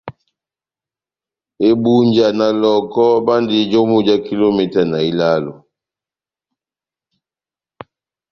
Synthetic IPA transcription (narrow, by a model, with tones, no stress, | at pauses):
e˦bu˦ɲd͡ʒa˨na˨lɔ˨kɔ˦ba˦ndi˨d͡ʒo˦mu˦d͡ʒa˦ki˦lo˦mɛ˨ta˨na˨i˦la˦lo˨